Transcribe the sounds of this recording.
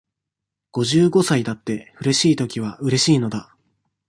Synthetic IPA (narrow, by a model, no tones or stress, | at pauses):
ɡ̥o̞ʑɨːɡo̞said̪at̪ːe̞ɸɯ̟ɾe̞ɕiːt̪o̞kʲiβ̞aʔɯ̟ɾe̞ɕiːno̞d̪a